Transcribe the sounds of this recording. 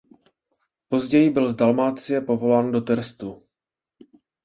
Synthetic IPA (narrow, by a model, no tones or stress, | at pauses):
po̞zɟɛjɪbɪlzdalmaːt͡sɪjɛpo̞vo̞laːndo̞t̪ɛɾst̪u